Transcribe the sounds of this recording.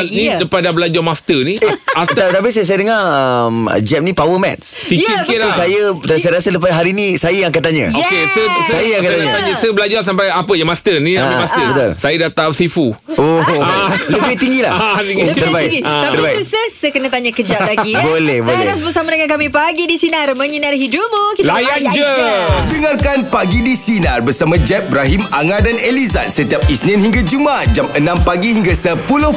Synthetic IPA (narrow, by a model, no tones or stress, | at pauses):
nidəpadabəlad͡ʒɔmast̪əniast̪at̪ap̬isajəs̬ajədəŋaəmə̰d͡ʒɛp̚nipawəmɛ̰t̪s | sikisikisajəsasajəɾasədəp̬adɦaɾinisajəjãŋakant̪aɲə̰okesəssajəjãŋakat̪aɲəəsəbəlad͡ʒɔs̬ampajapəjamast̪ənĩaamast̪əbət̪ṵlsajədat̪asifuoaləbɪht̪iŋɡilaht̪iɡiəəɾbaɡiat̪əɾibait̪usəsəkənə̃t̪aɲakəd͡ʒaʔlaɡibolɛhbolaɛɾasbəsamadəŋãnkamĩpaɡidisinaɾmə̃ɲənaɾɦidop̚mokilajand͡ʒədəŋarkanpaɡidisinarbərsamãd͡ʒɛp̚bɾaɦimaŋadaneliza̰t̪̚sət̪iap̚isninhiŋɡad͡ʒumat̪̚d͡ʒamənãmpaɡiɦiŋɡasəpulʊh